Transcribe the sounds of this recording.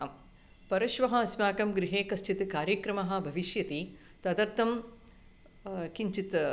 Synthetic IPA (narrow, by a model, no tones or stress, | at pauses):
pɐɾɐʃʋɐɦɐɐsmaːkɐmɡɾiɦeːkɐst͡ʃit̪kaːɾjɐkɾɐmɐɦɐ̆bʱɐʋiʃjɐt̪i | t̪ɐd̪ɐɾt̪ɐm | kiɲt͡ʃit̪